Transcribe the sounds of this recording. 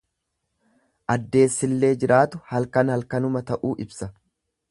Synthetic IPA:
ʔɐd̪ːe̞ːsːɪlːe̞ːd͡ʒɪɾʔaːt̪ʊhɐlkɐnhɐlkɐnʊmɐt̪ɐʔuːʔɪbsɐ

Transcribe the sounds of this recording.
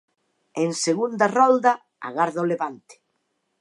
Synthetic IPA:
eŋseɣund̪arɔld̪a | a̰ɣaɾðaoleβant̪ɪ̥

